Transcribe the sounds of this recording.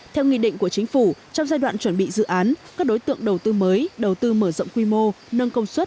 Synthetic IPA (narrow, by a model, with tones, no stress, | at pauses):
t̪ʰɛ˧wŋḭ˧˨ɗḭ̈˧˨ŋ̟ku˧˩ət͡ɕï˨˦ŋ̟fu˧˩t͡ɕɔ˧ŋ͡mzaː˧jɗwa̰ː˧˨nt͡ɕwə˧˩nɓḭ˧˨zɨ̰˧˨ʔaː˨˦nkaː˦˥k̚ɗo˨˦jt̪ɨ̰˧˨əŋɗə˨˩wt̪ɨ˧məː˨˦jɗə˨˩wt̪ɨ˧məː˧˩zə̰˧˨ŋ͡mkwi˧mo˧ | nə˧nkə˧wŋ͡mswə˦˥t̚